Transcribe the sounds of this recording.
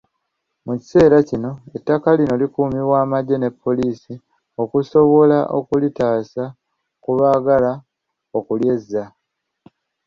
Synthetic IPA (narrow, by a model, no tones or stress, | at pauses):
muci̥se̞ːɾacino̞e̞tːakalino̞likuːmiβwaːmaɟːe̞ne̞pʰːo̞liːsi | o̞kuso̞βo̞laʔo̞̰kulitaːsa | kuβaːɡala | okulje̞zːa